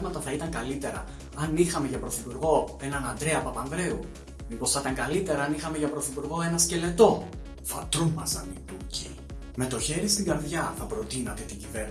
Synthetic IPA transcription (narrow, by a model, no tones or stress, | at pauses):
mɐt̪ɐθɐit̪ɐŋkɐlit̪e̞ɾɐ̰ | ɐnixɐme̞ʝɐpɾo̞θipuɾɣo̞e̞nɐnɐnd̪ɾe̞ɐpɐpɐnðɾe̞u | mipo̞sθɐt̪ɐŋɡɐlit̪e̞ɾɐɐnixɐmeʝɐpɾo̞θipuɾɣo̞e̞nɐsce̞le̞t̪o̞ | fɐ̰t̪ɾumɐsɐ̰niluci | me̞t̪o̞çe̞ɾist̪iŋɡɐɾðjʝɐθɐpɾo̞t̪inɐt̪e̞t̪iɲɟiveɾn